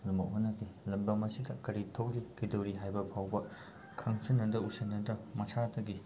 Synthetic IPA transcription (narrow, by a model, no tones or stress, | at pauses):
numɐʔ̚ɦonːɐkʰilɐmbɐmɐsidɐkɐɾitʰowlikidowɾiɦajbɐpʰawbɐ | kʰɐŋsɐnːɐdɐusɐnːɐdɐmɐsʰadɐɡi